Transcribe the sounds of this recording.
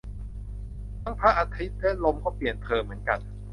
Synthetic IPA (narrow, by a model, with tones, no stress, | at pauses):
tʰa˥˩ŋpʰa˦˥ʔa˧t̪ʰi˦˥t̪̚lɛ˦˥lo˧mkʰɔː˥˩pli˨˩ənt̪ʰɤː˧mːɯ˩˦ənka˧n